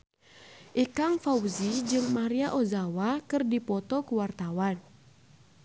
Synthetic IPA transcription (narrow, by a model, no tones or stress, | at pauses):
ʔikaŋfauzid͡ʒɨŋmaɾiaʔozawakɨrdipɔt̪ɔkuwart̪awan